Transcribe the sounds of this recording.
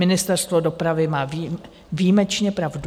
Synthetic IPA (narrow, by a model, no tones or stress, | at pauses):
mɪnɪst̪ɛɾst̪vo̞do̞pɾavɪmaːvi | viːmɛt͡ʃɲɛpɾavd